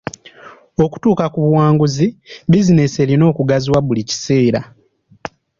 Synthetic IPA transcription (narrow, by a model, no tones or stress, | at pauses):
o̞ku̥tuːkakuβuwaːŋɡuzibizine̞se̞ɾino̞ːkuɡaziwaβulici̥se̞ːɾa